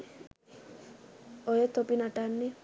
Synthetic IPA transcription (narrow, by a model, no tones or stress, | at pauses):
ojet̪opinaʈanːi